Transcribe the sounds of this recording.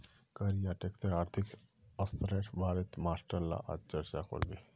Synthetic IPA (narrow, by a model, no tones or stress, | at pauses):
kəɾijaʈekt̪əɾaːɾt̪ʰik | əst̪ɾeʈʰbaːɾət̪maːsʈəɾla̰ʔa̰t͡ʃəɾt͡ʃako̰ɾbe